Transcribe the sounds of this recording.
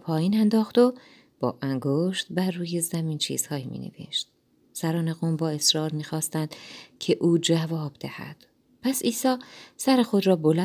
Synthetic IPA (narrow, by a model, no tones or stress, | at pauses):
pʰɒːjiːnænd̪ɒːxt̪o̞ | b̥ɒ̰ːʔæŋɡoʃt̪̚bæɾːuːje̞zæmiːnt͡ʃʰḭːz̥hɒːjimḭnḛvḛʃt̪̚ | sæɾɒːne̞ɣoːmbɒːe̞sɾɒːɾmiːxɒːst̪ænd̪̥cʰeʔuːd͡ʒævɒːb̥d̪ehæ̰d̪̥ | pʰæsiːsɒːsæɾexo̞d̪ɾɒːbo̞læ